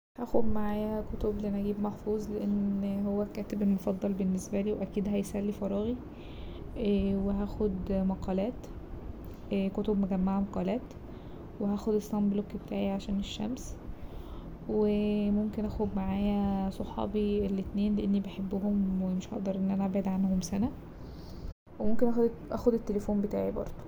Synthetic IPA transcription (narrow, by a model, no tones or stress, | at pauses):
hæʔxob̪maʕaːjæækot̪obliʔænʔæɡiːbmɑħfuːzˤleʔenːhowːækæːt̪ebelmofɑd̪ˤːɑlbenːesbæliːwʔækiːd̪ɦæjsælːifɑɾˤɑːɣi | weɦæːxod̪mæqɑːlæːt̪ | kot̪obmæɡæmːaʕmɑqɑːlæːt̪ | wehæːxod̪esːɑmblokbet̪ʰæːʕiʕaʃæːneʃːæ̰ms | wemomkenʔæxod̪maʕaːjæsˤoħɑ̰ːbielːet̪neːnleʔenːibeħebːoɦomwemeʃʔɑ̰ʔd̪ɑɾˤʔenːʔænæʔæbʕed̪ʕanhomsænæ | wemomkenʔæʔæ̰xod̪et̪ːelefoːmbet̪a̰ːʕibɑ̰ɾˤd̪̥ˤo